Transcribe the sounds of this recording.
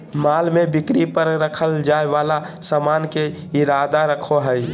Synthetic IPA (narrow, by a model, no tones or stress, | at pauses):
malmebikɾipəɾɾəkʰəld͡ʒaeʋala | səmanke | iɾad̪aɾəkʰoɦəj